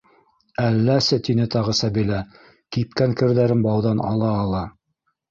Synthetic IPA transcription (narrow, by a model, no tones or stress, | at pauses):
ælːæsɘt̪inɘt̪ɑʁɤsɑbilæ | kip̚kæŋkɘ̆ɾðæɾɘnbɑwðɑnʔɑ̰lˠɑːlˠɑ